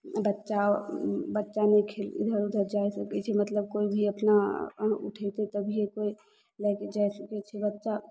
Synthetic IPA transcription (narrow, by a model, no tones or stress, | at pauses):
bətːʃabətːʃanekʰelɪ̰d̪ʱəɾʊd̪ʱəɾd͡ʒaesəket͡ʃʰɛmət̪ləb̚koːibʱiəpnaʊ̰ʈʰet̪et̪əbʱiekoi | lɛked͡ʒaːisəket͡ʃʰɛbətːʃa